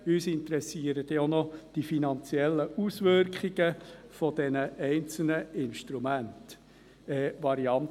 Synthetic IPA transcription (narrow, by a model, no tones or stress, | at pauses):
yːsɪnt̪ɾɛsiəɾət̪onɔd̥ifinɑnt͡sjɛlːəusʋʏrkχiɡ̥əfɔd̥ɛnəʔɛɪnt͡sl̩nəɪnʃtɾumænt | ɛːʋɑɾiɑnt